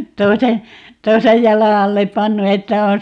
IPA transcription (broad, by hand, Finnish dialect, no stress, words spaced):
toise toisej jɑlɑ ɑlːep pɑnːu etːæ on